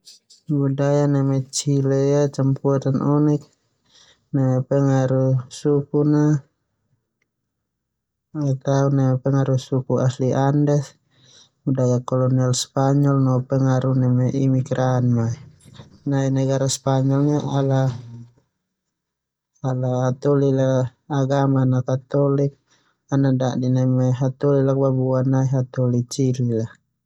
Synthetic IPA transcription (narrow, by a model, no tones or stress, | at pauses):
budajanamɛt͡ʃilɛjat͡ʃampuat̪anʔɔnɛk̚ | nɛmɛpɛŋaɾusukuna | ɛt̪aunamɛpɛŋaɾusukuasliandɛs | budajakɔlɔnialspaɲɔlnɔpɛŋaɾunamɛʔimiɡɾanmainainaɡaɾaspaɲɔlnaʔala | alaat̪ɔlilaːɡamanakat̪ɔlik̚ | anaʔdaʔdinɛmɛɦat̪ɔlilak̚babuanaiɦat̪ɔlit͡ʃiɾlila